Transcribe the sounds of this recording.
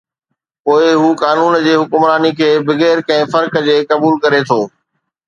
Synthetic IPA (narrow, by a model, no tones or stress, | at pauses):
poːɪɦuːkaːnuːnd͡ʑeːɦʊkʊmɾaːnikʰeːbɪɣeːɾkɐ̃ɪ̃fɐɾkd͡ʑeːkɐbuːlkɐɾet̪ʰoː